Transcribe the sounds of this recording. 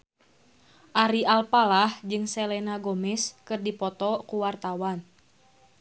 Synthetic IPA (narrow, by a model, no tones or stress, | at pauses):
ʔaɾiʔalpalahd͡ʒɨŋsɛlɛnaɡomɛskɨrdipɔt̪ɔkuwart̪awan